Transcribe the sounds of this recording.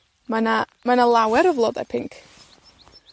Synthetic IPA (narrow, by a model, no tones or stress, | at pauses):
mana | manalˠawɛɾɔvlˠɔdɛ̰pʰɪŋkʰ